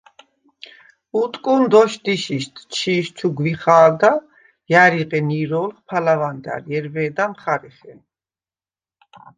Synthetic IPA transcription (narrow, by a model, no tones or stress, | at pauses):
ut̪ʼkʼund̪ɔʃt̪iʃiʃt̪ʰʼt͡ʃʰiːʃt͡ʃʰuɡviχaːld̪a | jaɾiqʼɛniɾɔːlχpʰalavand̪a̰ɾɛɾvɛːd̪amχaɾɛχɛn